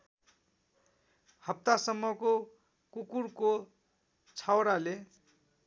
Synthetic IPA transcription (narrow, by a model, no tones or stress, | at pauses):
hʌp̚t̪asʌmːʌko | kukuɾko | t͡sʰawɾale